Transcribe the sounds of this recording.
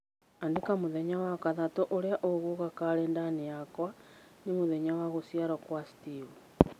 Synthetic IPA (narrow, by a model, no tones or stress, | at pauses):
andekamuðeɲawakaðatoʔoɾeaʔoɣoɣakaɾeːndanijakwanimuðeɲawaɣosiaɾokwasi̥tiβu